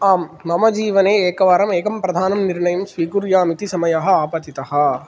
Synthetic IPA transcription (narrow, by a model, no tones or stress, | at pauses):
aːmːɐmɐd͡ʒiːʋɐneːeːkɐʋaːɾɐmeːkɐmpɾɐd̪ʱaːnɐmniɾɳɐjɐmsʋiːkuɾjaːmit̪isɐmɐjɐɦɐ̆aːpɐt̪it̪ɐɦɐ̆